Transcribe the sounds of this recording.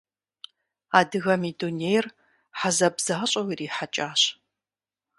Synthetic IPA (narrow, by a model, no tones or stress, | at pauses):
aːdɨɣɐmidunejr | ħazɐbz̥aːɕʼɐwiriːħat͡ʃʼaːɕ